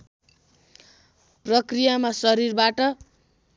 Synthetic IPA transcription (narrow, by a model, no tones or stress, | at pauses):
prʌkrijamasʌɾirbaʈʌ